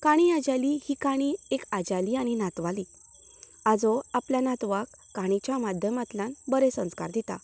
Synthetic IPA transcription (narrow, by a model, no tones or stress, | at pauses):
kaɽ̃iad͡ʑalihiːkaɽ̃iekad͡ʑaliːaɽ̃inat̪ʋali | ad͡zɔapljanat̪ʋakːaɽ̃it͡ɕjamad̪ʱjəmat̪lanbəɾẽsə̃ska̰ɾd̪it̪a̰